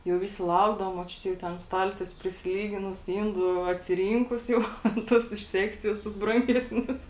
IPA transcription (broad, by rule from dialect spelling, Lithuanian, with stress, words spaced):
jɛʊ ˈʋʲɪsʲɪ ˈlˠɐʊɡdɐʋoː moːˈt͡ʃʲʊtʲeː jɛʊ ˈtʲɛn ˈstɐlʲtʲiɛsʲʊ pʲrʲɪsʲɪˈlʲiːɡʲɪnʊs ˈɪnduː ɐtʲsʲɪˈrʲiːŋkʊs jɛʊ tʲɛn ˈtʊs ɪʃ ˈsʲæːkt͡sʲɪjoːs tʊs ˈbrɐŋʲɡʲɛsʲnʲʊs